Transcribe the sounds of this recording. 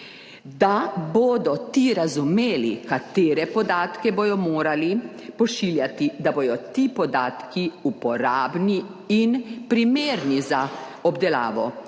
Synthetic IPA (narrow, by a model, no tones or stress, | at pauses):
d̪aboːd̪ɔt̪iɾazumeːlḭkat̪eːɾɛpɔd̪aːt̪kɛbod̪ɔmoːɾali | pɔʃiːljat̪id̪aboːd̪ɔt̪iːpɔd̪aːt̪kiupɔɾaːbni | inpɾimeːɾniza | ɔbd̪ɛla̰ːʋɔ